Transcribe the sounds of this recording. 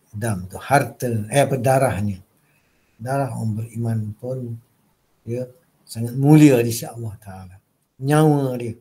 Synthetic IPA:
damt̪ʊʔhart̪əəpədaɾahɲə | daɾaɦa̰ŋbəɾimanpʊn | diə | saŋat̪̚muliədisiʔɑlːaht̪aːla | ɲawə̃diə

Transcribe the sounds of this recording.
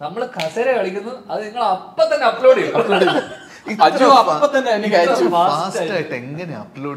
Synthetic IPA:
nɐmːɐɭkʰɐseɾekɐɭikʲːunːɐɐðɨniŋːɐɭɐpːɐt̪ːɐnːeɐpːloːɽilːɐloːɽi | ɐd͡ʑuɐpːɐt̪ːɐnːenːikːɐːjit͡ɕːfaːaːstaːjaːjiʈːeŋɡɐneɐploːɽ

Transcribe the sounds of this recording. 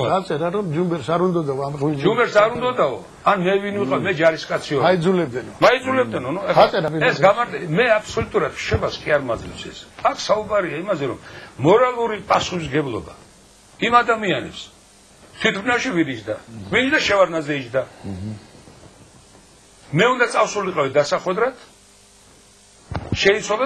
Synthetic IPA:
ɔat̪sʼɛɾaɾɔmd͡ʒumbɛɾsaɾund̪ɔd̪aɔamʁid͡ʒd͡ʒumbɛɾsaɾund̪ɔd̪aɔ | anmɛvinviqʼavimɛd͡ʒaɾiskʼat̪sʰiɔaid̪zulɛb̚d̪ɛnɔmaid̪zulɛb̚d̪ɛnɔnuɛsʼɛɾapʼiɾɛsɡamaɾd̪ɛmɛapʰsɔlut̪ʼuɾad̪ʃɛbaskʼiaɾmad̪zlɛpsɛ̰sakʰsaubaɾiaimazɛɾɔmmɔɾalˠuɾipʼasuχisɡɛblˠɔ̰ba̰ | imad̪amianɛ̰ps | t̪ʰwit̪ʰbnaʃivinit͡ʃd̪avinit͡ʃd̪aʃɛvaɾnazɛid͡ʒd̪a | mɛũnd̪at̪sʼafsuliqʼavid̪asaχwɛd̪ɾat̪ʰ | ʃɛit̪sʰwalˠa

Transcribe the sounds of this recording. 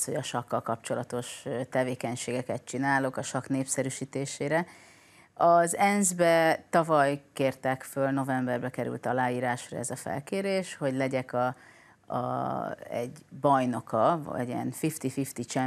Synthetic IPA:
sho̞ɟɒʃɒkːɒlkɒpt͡ʃo̞lɒt̪o̞ʃt̪ɛveːkɛɲʃeːɡɛkɛt̪t͡ʃinaːlo̞kɒʃɒkneːpsɛɾyʃiːt̪eːʃeːɾɛ | ɒzɛnzbɛt̪ɒvɒjkeːrt̪ɛkfølno̞vɛmbɛrbɛkɛɾy̰lt̪ɒlaːjiːɾaːʃrɒ̰ɛzɒfɛ̰lkeːɾeːʃho̞ɟlɛɟɛkɒ | ɒ̰ɛ̰ɟbɒjno̞kɒɛ̰ɟiɛ̰nfift̪ifift̪it͡ʃɛ

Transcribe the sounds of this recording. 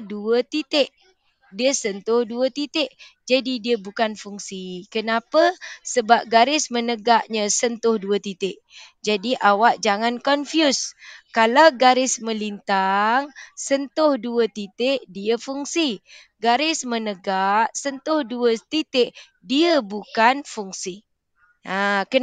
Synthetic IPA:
duət̪it̪ɪʔ | diəsənt̪ʊhduət̪it̪ɪʔd͡ʒadidiəbukanfuŋsikənapəsəbap̚ɡaɾɪsmənəɡaʔɲə̃sənt̪ʊhduət̪it̪ɪʔ | d͡ʒadiʔawaʔd͡ʒaŋankɔnfjuskalawɡaɾɪsmə̃lint̪aŋsənt̪ʊhduət̪it̪ɪʔdiəfuŋsi | ɡaɾɪsmənəɡaʔsənt̪ʊhduət̪it̪ɪʔ | diəbukanfuŋsi | ʔakə

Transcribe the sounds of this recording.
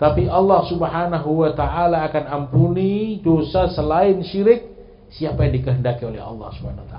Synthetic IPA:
t̪apiɑlːɑhsubɦanaɦuwat̪aʔalaːkanampunidosasəlaɪnʃiɾɪk̚ | siapajaŋdikəɦəndakiolɛ̰ɦɑ̰lːɑ̰hsubhanaat̪a

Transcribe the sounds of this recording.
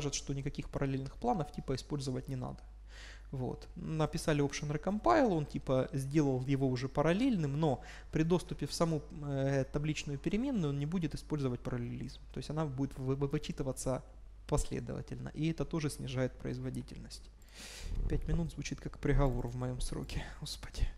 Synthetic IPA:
kaʐɨt̪ʂt̪o̞nʲɪkɐkʲixpəɾɐlʲelʲnɨxplˠanəftʲipəɪspo̞lʲzəvətʲnʲɪna̰d̪ə̥ | vo̞̰t̪nəpʲɪsalʲɪopʂənrɨkɐmpaɪlˠo̞ntʲipəzʲdʲe̞lˠəlˠjɪvo̞ʊʐɛpəɾɐlʲelʲnɨmno̞ | pɾʲɪd̪o̞st̪ʊpʲɪfsɐmut̪ɐblʲit͡ɕnʊjʊpʲɪɾʲɪmʲe̞nːʊonnʲɪbudʲɪt̪ɨ̥spo̞lʲzəvət̚ʲpəɾəlʲɪlʲizmt̪o̞ɪsʲɐnabudʲɪt̪vɨɨvɨt͡ɕit̪ɨvət̪sə | pɐsʲlʲḛd̪ə̰və̰tʲɪlʲnə̰ʔɪɛt̪ət̪o̞ʐɨsʲnʲɪʐajɪt̪̚pɾə̰ɪzvɐdʲitʲɪ̰lʲnəsʲtʲ | pʲætʲmʲɪnut̪zvʊt͡ɕit̪kakpɾʲɪɣɐvo̞̰rvmɐjo̞msɾo̰kʲɪospɐ̥dʲi

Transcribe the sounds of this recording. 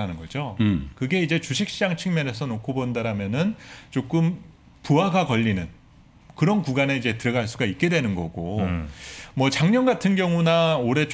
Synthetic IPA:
anɯnɡʌd͡ʑokɯɡe̞id͡ʑe̞t͡ɕuɕʰik̚ɕ͈id͡ʑaŋt͡ɕʰɯŋmjʌne̞sʰʌnokʰobondaɾamjʌnɯnt͡ɕok͈ɯm | puɦaɡakʌʎːinɯn | kɯɾʌnkuɡane̞id͡ʑe̞tɯɾʌɡaɭs͈uɡaik̚k͈e̞dwe̞nɯnɡʌɡo | mwʌt͡ɕaŋɲʌnɡatʰɯnɡjʌŋunaoɾe̞t͡ɕ

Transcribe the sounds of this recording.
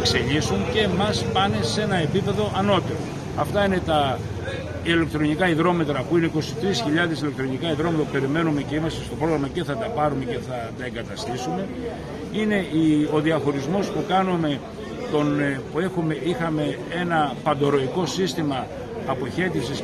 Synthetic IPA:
ekse̞ʎisunce̞mɐspɐne̞se̞nɐe̞pipe̞ðo̞ʔɐno̞t̪e̞ɾo̞̰ | ɐft̪ɐine̞t̪ɐ | ile̞k̚t̪ɾo̞nikɐiðɾo̞me̞t̪ɾɐpuine̞iko̞sit̪ɾisçiʎɐðe̞sile̞k̚t̪ɾo̞nikɐiðɾo̞met̪ɐppe̞ɾime̞nume̞ceimɐst̪est̪o̞pɾo̞ɣɾɐmɐce̞θɐt̪ɐpɐɾume̞ce̞θɐt̪ɐe̞ŋɡɐt̪ɐst̪isume̞ | ine̞io̞ðiɐxo̞ɾizmo̞spukɐnume̞ | t̪o̞npue̞xumeixɐme̞ | e̞nɐpɐnd̪o̞ɾo̞iko̞sist̪imɐː | po̞çe̞t̪ifsis

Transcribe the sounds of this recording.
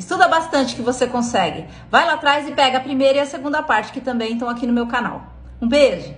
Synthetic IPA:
ɪst̪ud̪ɐbast̪ɐ̃nt͡ʃɪ̥kɪvosekõsɛɡɪ̰ | vajlat̪ɾajzɪpɛɡɐpɾimejɾɐɪɐseɡũnd̪ɐpaɾt͡ʃɪ̥kɪt̪ɐ̃mbẽj̃t̪ɐ̃w̃akinʊmewkana̰w | ũbeʒʊ

